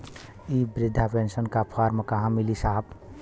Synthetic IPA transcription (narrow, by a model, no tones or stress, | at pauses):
ibɾɪd̪ʱːapensənkapʰaɾmekəɦãmilisaɦb